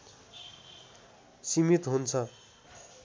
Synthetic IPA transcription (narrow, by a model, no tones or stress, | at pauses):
simit̪ɦunt͡sʰʌ